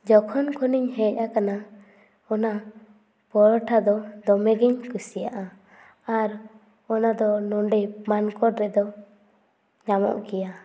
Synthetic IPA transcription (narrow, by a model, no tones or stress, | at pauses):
d͡ʒɔkʰɔnkʰɔniɲɦɛcʔakana | ɔna | pɔɾɔʈʰad̪ɔd̪ɔmɛɡɛɲkusijaʔa | aɾ | ɔnad̪ɔnɔɳɖɛmankɔɾɾɛʔd̪ɔ | ɲamɔ̰ʔkɛja